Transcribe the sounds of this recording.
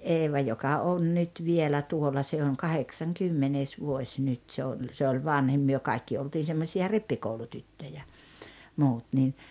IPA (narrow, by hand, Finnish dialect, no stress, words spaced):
eːʋɑ jokɑ on nyt ʋielæ tuolˑɑ se oŋ kɑheksɑŋkymːeneˑs ʋuosʲ nyt se olʲ se olʲ ʋɑnhim myø kɑikːi oltiːn̞ semːosiɑ ripːikoulutytːøjæ muːt niː